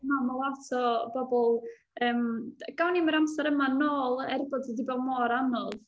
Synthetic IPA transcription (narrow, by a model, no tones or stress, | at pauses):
mamɔlˠatʰɔb̥ɔbɔlˠ | əːmɡ̥awniməɾamsɛɾəmanoːlˠɛrbɔdsədibɔmɔːɾanɔð